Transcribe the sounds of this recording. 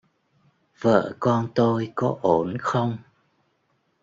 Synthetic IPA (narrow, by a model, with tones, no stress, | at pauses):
v̥ə̰ː˧˨kɔ˧nt̪o˧jkɔ˨˦ʔo˨˦˩nxə˧wŋ͡m